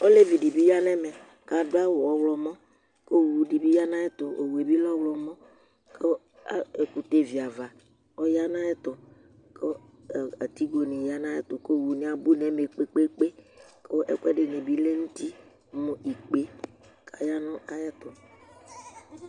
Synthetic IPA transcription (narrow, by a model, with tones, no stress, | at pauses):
o˦le˦vi˨di˨bi˦ja˦nɛ̃˦mɛ˨ | ka˨do˦a˦wo˨ɔ˨wlɔ˨mɔ̃˦ | ko˦˨wu˨di˨bi˦ja˦nã˦ɛ˦t̪o˨ʔo˨we˨bi˦lɔ˦wlɔ˨mɔ̃˦ | kʰe˦ | a̰˦e˨ku˨t̪e˦˨vi˨a˨va˨ | o˦ja˦nã˦ɛ˦t̪ɔ˨ | ke˦˨ | a˨t̪i˦ɡo˨ni˨ja˦nã˦jɛ˦t̪o˨ko˦˨wu˨nĩ˨˦a˨bu˦nɛ˨me˨k͡pe˦k͡pe˦k͡pe˦ke˦ʔɛ̰˦kɛ˦ɖe˨ne˨bi˦le˦ŋũ˦t̪i˦ | mõ˨i˨k͡pe˦ | ka˨ja˦nɔ̃˦a˨ja˦t̪o˨